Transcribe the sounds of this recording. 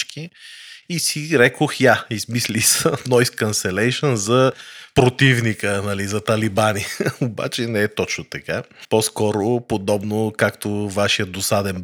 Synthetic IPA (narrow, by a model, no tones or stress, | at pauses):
t͡ʃkiisiɾɛkoxjaizmislisənɔjskɐnsɛlɛjʃənzɐpɾot̪ivnikənɐlizɐt̪ɐlibanioba̰t͡ʃɛnɛɛt̪ɔt͡ʃnot̪ɐkaposkɔɾopod̪ɔbnokakt̪ovaʃijət̪d̪osad̪ɛn